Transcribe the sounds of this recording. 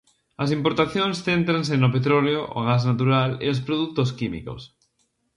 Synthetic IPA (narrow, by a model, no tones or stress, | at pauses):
ɐs̬impoɾt̪aθjoŋsθent̪ɾans̬enopet̪ɾɔleoʔo̰ɣaznat̪̬uɾalḛospɾoðuk̚t̪os̬kimḭko̰s